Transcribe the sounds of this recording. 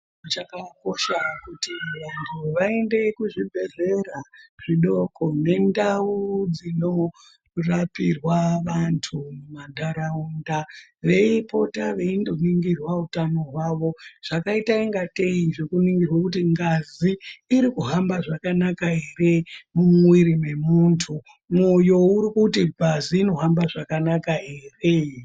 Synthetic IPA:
mut͡ʃakako̞ʃakutiʋantʰuʋae̞nde̞kuʐibʱe̞re̞ɾaʐ̥iɗo̞ko̞ne̞ndaud͡zino̞ | rapirwaʋantʰumumandʱaɾaundaʋe̞ipo̞taʋe̞indo̞niŋɡirwautano̞ɦwaʋo̞ʐ̥akaitaiŋɡate̞iʐe̞kuniŋɡirwakutiŋɡaziːɾikuɦambaʐakanakaɦe̞re̞mumwiɾime̞muːntʰu | mojo̞uɾikutibʱaziːno̞ɦambaʐakanakae̞ːre̞

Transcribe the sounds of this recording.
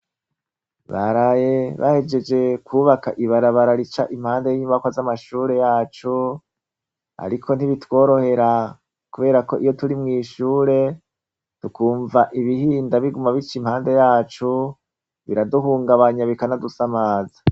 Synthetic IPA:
βaɾaje̞βa̰he̞d͡ʒe̞d͡ʒe̞kʰuːβakaʔiβaɾaβaɾaɾit͡ʃa̰ʔim̥haːndejiɲuβakwazamaʃuːɾe̞jaːt͡ʃu | a̰ɾikʰo̞n̥iβitwo̞ːɾo̞he̞ɾa | kuβe̞ːɾako̞ʔijotuɾimŋiːʃuːɾe̞ | tukuːɱvaʔiβihiːndaβiɡumaβit͡ʃim̥haːnde̞jaːt͡ʃu | βḭɾaduɦuːŋɡaβaɲaβikanadusamaːzḁ

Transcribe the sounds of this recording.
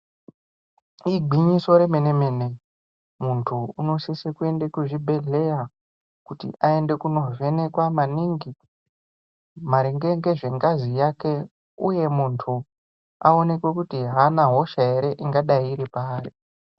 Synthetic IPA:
iɡʱiɲiso̞ɾe̞mene̞me̞ne̞ | muntʰuuno̞sisekue̞ndekuʐibʱe̞ɮe̞ja | kutḭʔae̞nde̞kuno̞ve̞ne̞kwamaniŋɡi | maɾeŋɡeŋɡe̞ʐe̞ŋɡazijake̞ | uje̞muntʰu | ao̞ne̞kwekutiɦanaɦo̞ʃaeɾe̞ʔiŋɡaɗaiːɾipaːri

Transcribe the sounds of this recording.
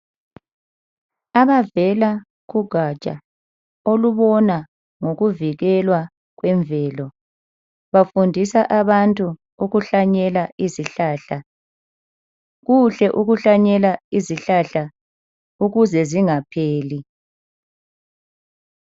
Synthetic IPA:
aβavɛla | ɣuɡ̥ʱat͡ʃʼa̰ | oluβɔna | ŋoɣuviɣɛlwa | ɣwɛɱvʱɛːlɔ | βafundʱisaʔaβantʼu | uɣuɬaɲɛlaʔiziɬaːɬa | ɣuɬɛʔuɣuɬaɲɛlaiziɬaɬa | uɣuzɛziŋapʰeːli

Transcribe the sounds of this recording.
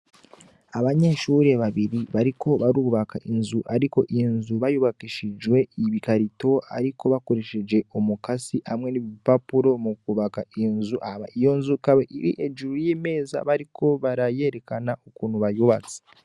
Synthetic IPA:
aβaɲe̞ʃuɾe̞βaβiɾiβaɾikʰo̞βaɾuːβakaʔinzuʔaɾiko̞ʔinzuβajuβakiʃid͡ʒwe̞iβikaɾito̞a̰ɾikʰo̞βakoɾeʃed͡ʒe̞omukasiamŋe̞niβipapuɾo̞mukuβakainzuʔahaβa̰ijo̞nzukaβeʔiɾḭʔed͡ʒuɾojiːme̞ːza̰βaɾikʰo̞βaɾaje̞ɾe̞kanaokuːn̤huβajuβat͡se̥

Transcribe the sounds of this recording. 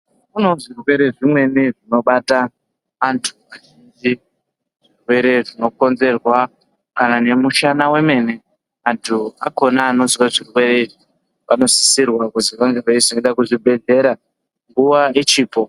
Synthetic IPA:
kuno̞ʐirwe̞ɾe̞ʐimwe̞niʐino̞ɓataː | ntʰu̥aʒind͡ʒi | ʐ̥irwe̞ɾe̞ʐino̞ko̞nze̞rwa | kanane̞muʃanawe̞me̞ne̞ | antʰuako̞naːno̞ziwaʐirwe̞ɾe̞iʐi | pano̞si̥sirwakuziʋaŋɡeraiznoiɗakuʐibʱe̞ɮe̞ɾa | ŋɡuʋaet͡ʃiːpo̞

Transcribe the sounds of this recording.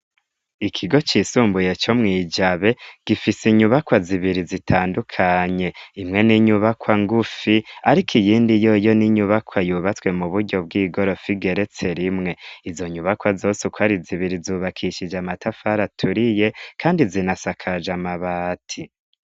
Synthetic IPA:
ikʰiɡo̞t͡ʃisuːmbuje̞t͡ʃo̞mŋiːd͡ʒaβe̞ɡ̥ifisiɲuβakwaziβiɾizitʰaːndukʰaɲe̞imŋe̞niɲuβakwaŋɡufiaɾikʰijiːndijo̞jo̞niɲuβakʰwajuβat͡swe̞muβuɾɟo̞b̚ɡiːɡo̞ɾo̞fiɡe̞ɾe̞t͡se̞ɾimŋe̞izo̞ɲuβakwazo̞ːsukwaɾiziβiɾizuβakʰiʃid͡ʒamatʰafaɾatʰuɾije̞kʰaːndizinasakʰad͡ʒamaβaːtʰi

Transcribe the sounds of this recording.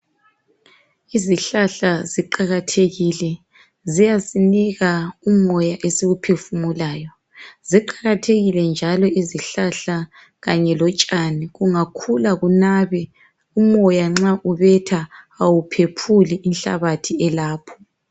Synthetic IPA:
iziɬaɬaziǃaɣatʰeɣilɛ | zijasiniɣaumɔjaʔesiɣupʰefumulaːjɔ | ziǃaɣatʰeɣilɛnd͡ʒʱalɔiziɬaɬa | ɣaɲɛlɔt͡ʃʼaniɣuŋakʰulaɣunaβɛ | umɔjaŋ͡ǁaʔuβɛtʰa | awupʰepʰuliʔinɬa̰βatʰiɛlaːpʰɔ̥

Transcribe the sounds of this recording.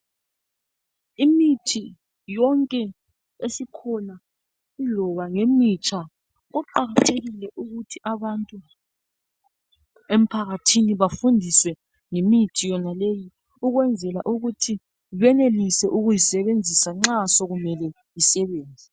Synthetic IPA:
imitʰi | jɔŋkʼɛ | esikʰɔna | ilɔβaŋemit͡ʃʼʰa | ɣuǃaɣatʰeɣilɛʔuɣutʰiʔaβantʼu | em̩pʰaɣatʰiniβafundʱiswɛ | ŋemitʰijɔnaleji | uɣwɛnd͡zʱɛlaʔuɣutʰi | βɛnelisɛʔuɣujisɛβend͡zʱisaŋ͡ǁasɔɣumɛlɛ | jisɛβeːnd͡zʱi

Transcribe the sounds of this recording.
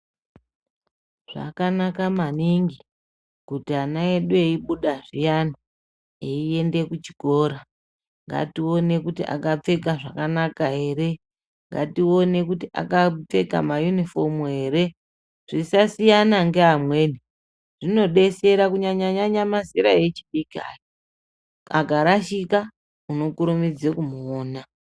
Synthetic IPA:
ʐ̥a̰kanakamaniŋɡi | kutianaeɗueiɓuɗaʐijani | eie̞nde̞kut͡ʃi̥ɡʱo̞ːɾa | ŋɡa̰tio̞ne̞kutiʔa̰kap͡fe̞kaʐakanakaɦe̞ːɾe̞ | ŋɡa̰tio̞ne̞kutiʔa̰kap͡fe̞ka̰majunifo̞muɦe̞ːɾe̞ | ʐ̥isasijanaŋɡe̞ɦamwe̞ːni | ʐ̥ino̞ɗe̞se̞ɾakuɲaɲaɲaɲamaziɾaje̞t͡ʃiɗikia̰ːke | aɡʱaɾaʃika | uno̞kuɾumid͡zekumuoːna

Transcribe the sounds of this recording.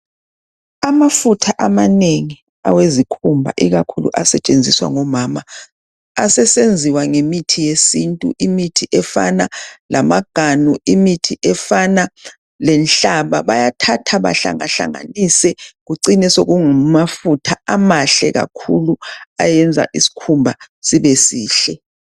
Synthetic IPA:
amafutʰaʔamaneŋi | a̰wezikʰumbʱa̰ʔiɣakʰulṵʔasɛt͡ʃʼend͡zʱiswa̰ŋɔmaːma | asɛsend͡zʱiwaŋemitʰijesintʼṵʔimitʰiʔɛfa̰nalamaɡ̥ʱanuimitʰiʔɛfana | lɛnɬaβaβajatʰatʰaβa̰ɬa̰ŋa̰ɬa̰ŋa̰nisɛɣuǀinɛsoɣuŋumafutʰaamaɬɛ̰ɣa̰kʰuluajɛnd͡zʱa̰ʔisi̥kʰumbʱa | siβesiːɬɛ

